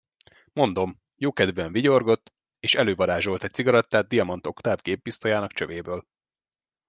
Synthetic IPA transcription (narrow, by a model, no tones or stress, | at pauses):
mo̞nd̪o̞m | joːkɛd̪vɛɱviɟo̞rɡo̞t̪ː | eːʃɛløːvɒɾaːʒo̞lt̪ɛc̚siɡɒɾɒt̪ːaːd̪̚d̪ijɒmɒnt̪o̞kt̪aːvɡeːbbist̪ojaːnɒkt͡ʃø̰veːbøːl